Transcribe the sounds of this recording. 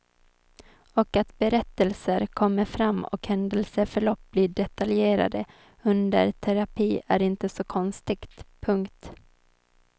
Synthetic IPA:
ɔkat̪bɛɾɛt̪ːəlsəɾkʰɔmːəɾfɾamːɔ̰khɛnd̪əlsəfœɭɔp̚ːb̥liːɖɛt̪aljeːɾa̰d̪ə | ɵnd̪ə̰ɾʈʰɛɾapʰiːæɾɪnt̪əsɔkʰɔnst̪ɪɡt̪pʰɵŋkt̪

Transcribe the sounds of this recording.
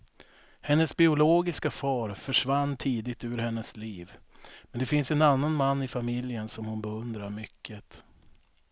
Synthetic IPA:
hɛnːəsbɪʊloːɡɪskafɑːɾfœʂvanːt̪ʰiːd̪ɪt̪ʉːɾhɛnːəsliːv | mɛnd̪ɛfɪnsɛnanːanmanːɪfamɪljənsɔmhʊnbɛɵnd̪ɾaɾmʏkʰːət̪

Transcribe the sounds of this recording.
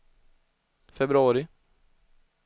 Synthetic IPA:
fɛbɾɵɑːɾɪ

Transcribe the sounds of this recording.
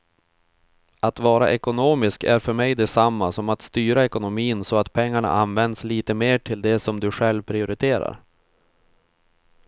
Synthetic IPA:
at̪vɑːɾa̰ʔɛkʊnoːmɪskæ̰ɾfœɾmɛjd̪ɛsamːasɔmat̪st̪yːɾaɛkʊnʊmiːnsɔat̪pʰɛŋːaɳa̰ʔanvɛnd̪sliːt̪əmeːʈʰɪld̪ɛsɔmd̪ɵɧɛlvpʰɾɪʊɾɪt̪ʰeːɾa̰ɾ

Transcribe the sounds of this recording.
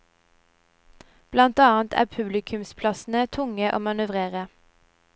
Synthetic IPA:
b̥lɑnt̪ɑːnt̪ʰæ̰ːpʰʉblɪkʰʉmspʰlɑsn̩ət̪ʰʊŋəʔo̰ːmɑnʉʋʁeːʁə

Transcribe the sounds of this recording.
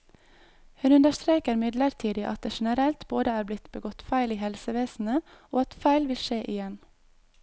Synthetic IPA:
hʉnʉnd̪əʃt̪ɾeːkəɾmɪd̪ləɾt̪ʰiːd̪ɪʔɑt̪̚d̪eːʃɛnəɾɛlt̪boːd̪əæːɾblɪt̪bəɡɔt̪fæɪliːhɛlsəʋeːsn̩əoːɑt̪fæɪlʋɪlʃeːʔɪjɛn

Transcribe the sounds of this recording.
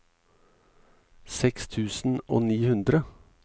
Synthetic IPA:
sɛkst̪ʰʉːsn̩ʔo̰ːniːhʉnd̪ɾə

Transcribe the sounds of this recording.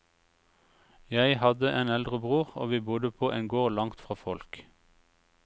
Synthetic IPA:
jæɪhɑd̪əʔeːnɛld̪ʁəbʁuːʁo̰ːʋiːbʊd̪əpʰoːʔɛŋɡoːʁlɑŋt̪fʁɑːfɔlk

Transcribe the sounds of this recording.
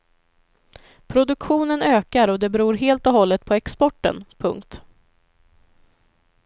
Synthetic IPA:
pʰɾʊd̪ɵkɧuːnənøːkaɾɔd̪ɛbɛɾuːɾɦeːlt̪ɔɦɔlːət̪̚pʰɔɛkspɔʈːə̰npʰɵ̰ŋkt̪

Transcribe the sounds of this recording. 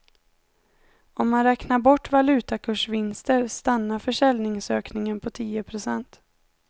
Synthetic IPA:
ɔmːanɾɛːknaɾbɔʈːvalʉ̟ːt̪akʰɵʂvɪnst̪əɾst̪anːaɾfœʂɛlnɪŋsøːknɪŋənpʰɔt̪ʰiːəpʰɾʊsɛnt̪

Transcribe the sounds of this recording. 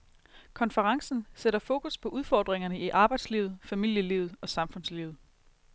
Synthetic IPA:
kʰɒ̽nfəʁɑ̈ŋsn̩seɾɐfo̝ːkʰuspʰɒ̽ʔuð̞ˠfɒ̰ːd̥ʁeŋɐnəiʔɑ̈ːb̥ɑ̈ɪd̥slḭːʊð̞̩ˠfæmil̰jəliʊð̞̩ˠɒ̽sɑ̈mfɔ̽nsliʊð̩ˠ

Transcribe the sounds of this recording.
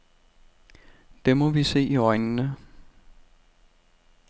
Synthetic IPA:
d̥emɒ̽ʋise̝̰ːiɒ̽ɪnnə

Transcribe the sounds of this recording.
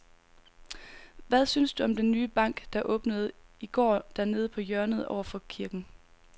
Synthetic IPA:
ʋæðˠsynsd̥uɒ̽md̥enːyːb̥ɑ̈ŋ̰ɡ̥d̥ɑ̈ʔɔ̽ːb̥nəð̞̩ˠiɡ̥ɒ̰ːd̥æɐne̝ːð̞ˠəpʰɒ̽jœɐnəð̞̩ˠɒʊ̰ɐfɒ̽kʰiɐɡ̥n̩

